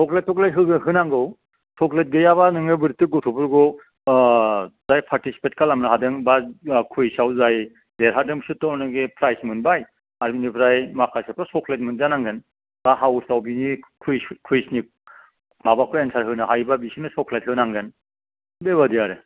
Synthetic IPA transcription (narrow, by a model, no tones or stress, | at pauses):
sɔklet̚tʰːɔklatɦɯɡɯnɦɯnaŋɡɯw | sɔklet̚ɡɯjaβanɯŋɯbɯɾtːɯɡɔtʰupʰuɾɡɔ | zajpʰaɾtisi̥petkʰalamnaɦadɯŋbakʰujsawzaj | deɾɦadɯmsɯtɔnɯɡepʰɾajsmɯnbaj | aɾbinipʰɾajmakʰasɯpʰasɔkʰlet̚mɯnzanaŋɡɯn | b̥aɦawsawbinikʰujkʰujsnik̚ | mabakʰɔensʰaɾɦɯnɯɦajbabisinɯsɔklet̚hɯnaŋɡɯn | beβadijaɾɯ